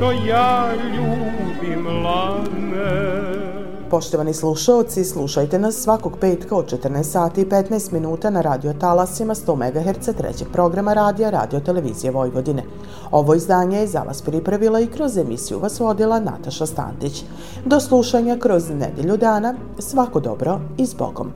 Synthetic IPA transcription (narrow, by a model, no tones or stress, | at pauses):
t̪ojaːʎuːbimlane | po̞ʃt̪oʋanislˠuʃao̞t̪sislˠuʃajt̪e̞nasːʋako̞ɡpeːt̪kaot͡ʃet̪əɾnaest̪saːt̪iːpet̪naest̪minuːt̪anaɾaːd̪io̞t̪alasimast̪o̞ːmeɡaɦeɾt̪sat̪ɾḛt͡ɕeɡ̥̚pɾo̞ɡɾamaɾaːd̪ijaɾa̰ːd̪io̞t̪e̞le̞ʋḭːzije̞ʋo̞jʋo̞d̪ine̞ | o̞ʋo̞izd̪aːɲejeza̰ʋa̰spɾipɾaʋilaikɾo̞zemḭsijṵʋasʋo̞d̪ilˠana̰t̪aʃast̪a̰ːnd̪it͡ɕ | d̪o̞slˠuʃaɲakɾo̞znḛd̪jeʎud̪aːna | sʋako̞d̪o̞̰bɾo̞izbo̰ɡo̰m